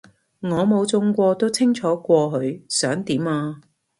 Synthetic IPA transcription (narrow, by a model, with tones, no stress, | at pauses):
ŋɔː˨˧mo˨˧wt͡sʊ˧ŋkʷɔː˧t̪o˥wt͡sʰɪ˥ŋt͡ʃʰɔː˨˥kʷɔː˧ɦɵ˨˧ɥsœː˨˥ŋt̪iː˨˥maː˧